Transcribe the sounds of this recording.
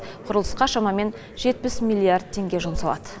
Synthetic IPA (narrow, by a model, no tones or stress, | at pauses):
qʰʊɾəlˠəsqɑʃɑmɑme̞n | ʒ̥e̞t̪̚pɪsmʲilʲˠːiard̪̚t̪ʰe̞ŋɡʲe̞ʒʊmsɑlˠɑ̰d̪ə